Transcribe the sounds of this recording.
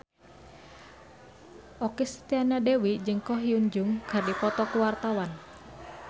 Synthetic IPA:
ʔɔkɛsə̥t̪ianadewid͡ʒəŋkɔɦiuɲd͡ʒʊŋkərdipɔt̪ɔkuwart̪awan

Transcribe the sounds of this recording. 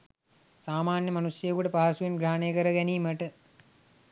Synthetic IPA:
saːmaːnjəmanusjəjkuʈəpaɦːsujenɡɾaːnejkəɾəɡɛniːməʈə

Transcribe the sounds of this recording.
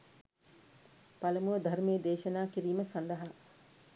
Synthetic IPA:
paləmuʋəd̪ʱarmeːd̪eːʃɐnaːkiɾiːməsand̪ɐɦa

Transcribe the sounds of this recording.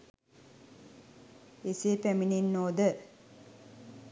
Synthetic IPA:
eseːpæmininːoːd̪ə

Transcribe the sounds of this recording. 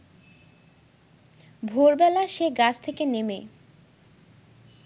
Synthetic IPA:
bʱoɾbɛlaʃeɡat͡ɕʰt̪ʰekeneme

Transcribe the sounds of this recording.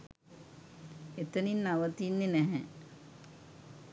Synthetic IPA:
et̪əninːaʋət̪inːenɛɦɛ

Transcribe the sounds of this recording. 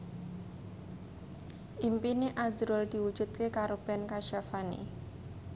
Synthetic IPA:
ʔimpineʔazɾʊld̪̥iwud̥d͡ʒ̥ut̪̚kekaɾob̥ɛnkaʃafanḛ

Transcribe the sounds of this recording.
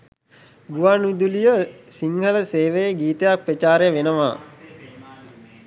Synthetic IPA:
ɡuʋanuid̪ulijəsiŋhələseːʋejəɡiːt̪əjak̚pɾət͡ʃaːɾejəʋenəʋa̰ː

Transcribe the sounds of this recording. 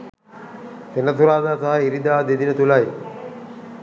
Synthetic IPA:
t̪enət̪ʰuɾaːd̪aːsaɦəiɾid̪aːd̪ed̪inət̪ulaj

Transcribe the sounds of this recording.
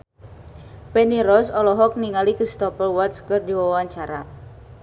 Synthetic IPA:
pɛniɾɔsɔlɔɦɔk̚niŋalikɾist̪ɔpəlwat̪skɨrdiwawaɲt͡ʃaɾa̰

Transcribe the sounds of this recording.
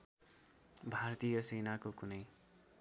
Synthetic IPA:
bʱart̪ijʌsenakokunʌj

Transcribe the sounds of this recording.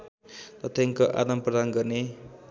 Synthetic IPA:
t̪ʌt̪ʰjaŋkoʔa̰d̪amprʌd̪anɡʌrne

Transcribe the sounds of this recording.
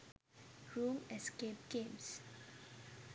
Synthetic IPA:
ɹũmɛskep̚ɡ̥ẽms

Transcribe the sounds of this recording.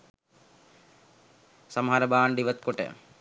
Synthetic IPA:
sɐməɦɐɾəbaːɳɖiʋət̪koʈə̰

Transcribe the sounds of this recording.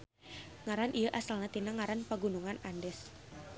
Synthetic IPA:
ŋaɾanʔijəʔasalnat̪inaŋaɾanpaɡunuŋanandɛs

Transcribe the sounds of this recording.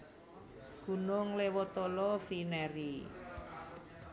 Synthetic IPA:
ɡ̥ṳnʊŋlewɔt̪ɔlɔfinɛɾi

